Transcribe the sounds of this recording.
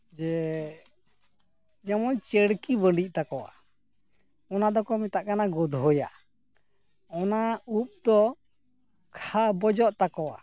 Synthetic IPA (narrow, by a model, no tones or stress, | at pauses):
d͡ʒɛ | d͡ʒamɔnt͡ʃəɽkibəɳɖic̚ˀt̪akɔwa̰ | ɔnad̪ɔkɔmɛt̪aʔkanaɡɔd̪ʱɦɔja̰ | ɔnaup̚d̪ɔ | kʰabɔd͡ʒɔʔt̪akɔwa̰